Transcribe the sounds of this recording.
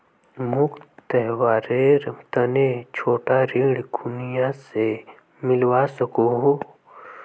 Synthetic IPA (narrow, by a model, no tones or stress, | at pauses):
mʊkt̪ɛɦwaːɾeɾt̪ənet͡ʃʰoːʈaɾiːɽɡʰʱunijase | mɪlwasəkoɦo